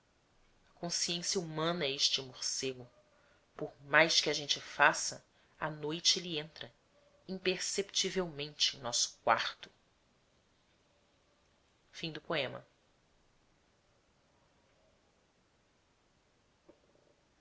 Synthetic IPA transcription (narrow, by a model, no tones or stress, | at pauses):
ɐkõsiẽsjɐumɐ̃nɐɛeʃt͡ʃɪmoɾseɡʊ | poɾmajskɪɐʒẽnt͡ʃɪfasɐ | ɐnojt͡ʃɪlɪẽnt̪ɾɐ | ĩpeɾsept͡ʃivewmẽnt͡ʃɪẽnɔsʊ̥kwaɾt̪ʊ̥ | fĩd̪ʊpoẽmɐ̰